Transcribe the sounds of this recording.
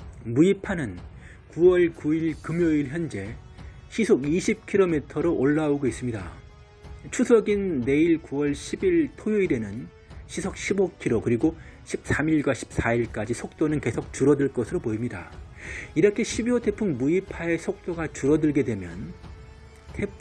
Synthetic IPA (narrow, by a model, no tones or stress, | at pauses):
muipʰanɯn | kuwʌɭkuiɭkɯmjoiɭçjʌnd͡ʑe̞ɕʰisʰoɡiɕʰip̚kʰiɾomitʰʌɾoʔoɭːauɡois͈ɯmɲida̰ | t͡ɕʰusʰʌɡinːe̞iɭkuwʌɭɕʰibiɭtʰojoiɾe̞nɯn | ɕʰisʰok̚ɕʰibokʰiɾokɯɾiɡoɕʰip̚s͈amiɭɡwaɕʰi̥p̚s͈aiɭk͈ad͡ʑisʰok̚t͈onɯnke̞sʰok̚t͡ɕuɾʌdɯɭk͈ʌsʰɯɾopoimɲida̰ | iɾʌkʰe̞ɕʰibiwotʰe̞pʰummuipʰae̞sʰok̚t͈oɡat͡ɕuɾʌdɯɭɡe̞dwe̞mjʌ̰n | tʰe̞p